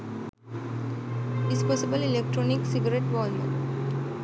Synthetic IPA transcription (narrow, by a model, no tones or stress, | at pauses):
ispɔsibəlilek̚ʈɾɔniksiɡɐɾeʈʋɔlmṵn